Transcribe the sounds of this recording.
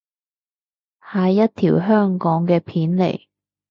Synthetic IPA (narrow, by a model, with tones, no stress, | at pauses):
haː˨˧jɐ˥t̚t̪ʰiː˨˩wɦœː˥ŋkɔː˨˥ŋkɛː˧pʰiː˨˥nlḛ˨˩j